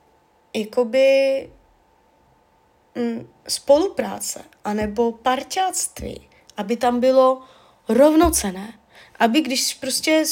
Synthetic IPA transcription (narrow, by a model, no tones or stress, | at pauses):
jako̞bɪ | m̩ | spo̞lupɾa̰ːt͡sɛ̰ʔanɛbo̞paɾcat͡st̪vḭː | ʔabɪt̪ambɪlo̞ | ɾovno̞t͡sɛnɛː | ʔabɪɡdɪʃspɾoscɛ